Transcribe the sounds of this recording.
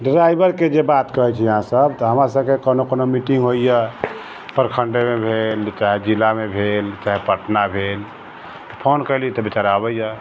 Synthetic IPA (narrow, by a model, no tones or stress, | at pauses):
ɖɾajbəɾked͡ʒebat̪kəɦɛt͡ʃʰɛjəɦãsəbt̪ɔɦəmɾasəb̚kekonokonomiʈiŋɡɦojjə | pəɾkʰəɳɖemebʱelt͡ʃaɦid͡ʒilamebʱelt͡ʃaɦipəʈnabʱel | t̪ɔpʰonkəɪlit̪ɔbit͡ʃaɾabəjjə